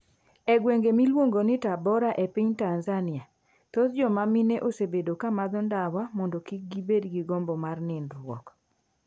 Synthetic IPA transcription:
ɛɡweŋɡemilwoŋɡonɪtabɔɾaʔepiɲtanzanɪa | t̪ot̪d͡ʒɔmamineʔosebedokamad̪ɔndawamɔndɔkik̚ɡibedɡiɡɔmbɔmarnɪnɾwɔ̰k

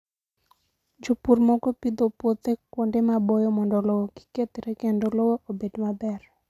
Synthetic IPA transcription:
d͡ʒopurmɔkɔpid̪opot̪ekwondemabojɔmɔndɔlɔwoɡi̥ket̪ɾekendolowoʔobedmabɛr

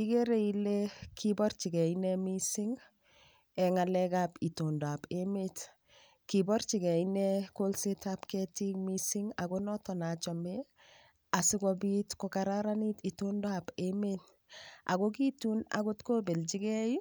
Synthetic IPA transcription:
ikeɾeilekʰibɔrt͡ʃiɡɛinɛmisiŋ | ɛŋalɛkapitondapemet | kibɔɾt͡ʃiɡɛinɛkolsetapkɛtikmisiŋaɡonɔtɔnat͡ʃɔme | asɪɡɔbitkɔkaɾaɾanititondoapemet | a̰ɡokituna̰kotkobelt͡ʃiɡɛj

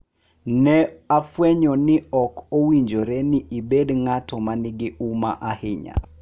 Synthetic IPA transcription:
nɛafwɛɲɔnɪɔkowiɲd͡ʒoɾɛnɪʔibedŋatɔmanɪɡɪʔuma̰ʔahɪɲa̰

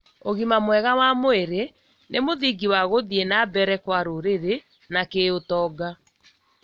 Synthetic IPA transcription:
oɣimamwɛɣawamoeɾe | nʔemoðiɡiwaɣoðienabɛɾɛkwaɾoɾeɾe | nakeotɔːɡa

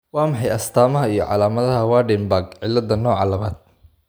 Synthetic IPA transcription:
wɑːmɑħɑjɐst̪ʰaːmɐɦɐijɞʕɑ̰laːmɐðɐɦɐwaːɖɛmbaːɡʕɪlːɐd̪ɐnɔːʕɑlɐβaːd̪̥̚

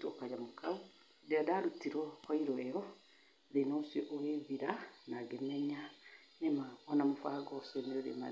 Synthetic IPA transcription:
tokad͡ʒamokau | dɛadaɾutiɾɔhɔiɾɔɛɔ | ðenosjɔʔoɣeðiɾanaɡemɛɲa | nemaɔnamofaɡɔsɛneɾɾḛma̰

